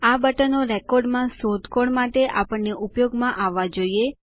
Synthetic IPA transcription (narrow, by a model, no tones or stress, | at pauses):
abəʈənoɾɛkoɾɖmãsod̪koɽmaʈ̪eʔapəɳnːeʔupjoɡmãʔaʋːad͡ʒoie